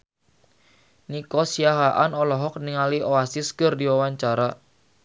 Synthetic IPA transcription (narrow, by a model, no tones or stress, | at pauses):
nikɔsiaɦaʔanɔlɔɦɔk̚niŋalioasiskərdiwawaɲt͡ʃaɾa